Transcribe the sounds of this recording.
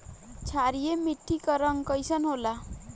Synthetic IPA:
t͡ʃʰaɾijemiʈʰːikʌɾʌŋkʌjsʌnɦola

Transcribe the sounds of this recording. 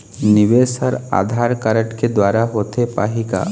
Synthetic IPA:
nɪʋeːsəɾa̰ːd̪ʱaːɾkəɾəʈked̪waːɾaɦoːt̪epa̰ːɦika̰ː

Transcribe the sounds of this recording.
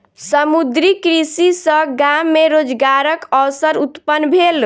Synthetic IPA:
səmud̪ɾikɾisisə̃ɡamːeɾod͡ʒɡaɾəkəsəɾut̪pənːbʱel

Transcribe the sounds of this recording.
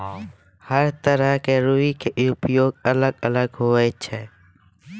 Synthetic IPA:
həɾt̪əɾəɦkeɾuikeʔʊpjoːɡələɡələɡɦoːeːt͡ʃʰɛː

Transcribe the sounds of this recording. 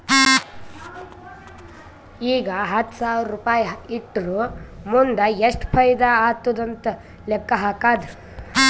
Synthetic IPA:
iːɡɐɦɐt̪ːsaːwɾɾupaːjiʈːɾumund̪ɐeʂʈpʰɐjd̪ɐaːt̪ːud̪ɐnt̪ɐ | lɛkːɐɦaːkaːd̪ɐ

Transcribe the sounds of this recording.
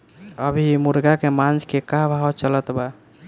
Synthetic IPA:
əbʱimuɾɡakemãnd͡ʒʱkekaɦbʱawt͡ʃələt̪ba

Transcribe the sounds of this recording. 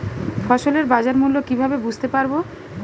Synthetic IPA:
fɔʃoleɾbad͡ʑaɾmulːokibʱabebud͡ʑʱt̪epaɾbo

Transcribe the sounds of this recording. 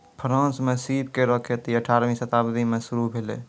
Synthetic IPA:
pʰəɾãːnsmẽsip̚keɾəkʰet̪iəʈʰaːɾmĩsət̪abd̪imẽsuɾubʱelḛ

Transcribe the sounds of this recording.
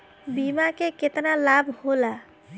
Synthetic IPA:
bimakeket̪nalabʱhola

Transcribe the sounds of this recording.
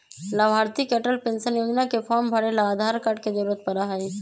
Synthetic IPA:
lɐʋɦaːɾt̪ikeʈəlpẽnsənjoːd͡ʒnakefʰɔːɾmbʱɐɾelaaːd̪ʱaːɾkaʈkezɐɾuːɾət̪̚pɐɾaɦai

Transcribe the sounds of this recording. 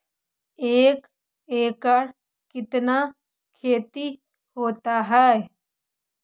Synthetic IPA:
eːk | eːkəɾ | kɪt̪na | kʰeːt̪i | hoːt̪aɦɛː

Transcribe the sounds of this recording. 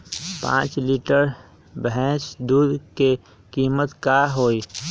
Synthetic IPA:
pã̰ːt͡ʃliːʈəɾ | bɛ̃ːsd̪uːd̪ke | kiːmət̪kaːɦoːi

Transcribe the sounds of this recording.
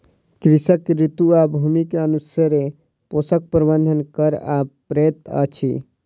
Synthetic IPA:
kɾisəkɾit̪uabʱumikeənusəɾe | posək̚pɾbənd̪ʱənkəɾapɾet̪ə̰t͡ʃʰḭ

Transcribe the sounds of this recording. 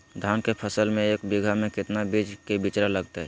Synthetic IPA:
d̪ʱaːnkepʰəsəlmẽeːkbiɡʱamẽkɪt̪nabid͡ʒkebit͡ʃɾaləɡt̪aɦɛː

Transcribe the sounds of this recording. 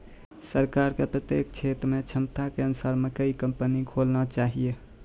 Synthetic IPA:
səɾkaɾkepɾət̪ek̚t͡ʃʰet̪ɾmet͡ʃʰəmt̪akeənusaɾmekəikəmpənikʰolnat͡ʃaɦije

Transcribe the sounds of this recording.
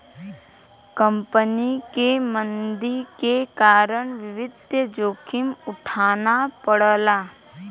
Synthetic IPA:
kə̃mpənikemə̃nd̪iɾkekaːɾəɳʋɪʋɪd̪ʱjəd͡ʒoːkʰɪmʊʈʰaːnapəɽəlaː

